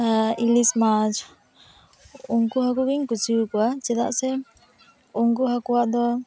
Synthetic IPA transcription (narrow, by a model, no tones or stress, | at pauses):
ailismad͡ʒ | uŋkuɦak̬uɡiŋkut͡ʃukuat͡ʃɛd̪aʔsɛ | uŋkuɦakuwaʔd̪ɔ